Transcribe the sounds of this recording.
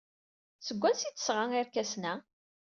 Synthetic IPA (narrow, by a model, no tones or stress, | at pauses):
səɡʷːænsit͡sːə̥sʁaŋiɾkæsnæ